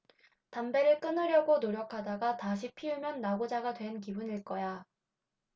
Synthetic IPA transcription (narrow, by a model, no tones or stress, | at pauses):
tambe̞ɾɯɭk͈ɯnɯɾjʌɡonoɾjʌkʰadaɡataɕ̬ʰipʰiumjʌnːaɡod͡ʑaɡadwe̞nk̬ibuniɭk͈ʌja